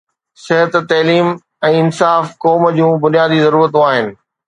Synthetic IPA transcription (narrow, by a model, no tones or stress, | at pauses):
sɪɦət̪t̪ɐɦliːm | ɛ̃ːɪnsaːfkɔːmd͡ʑũːbʊnijaːd̪izɐɾuːɾət̪ũaːɦɪnɪ̆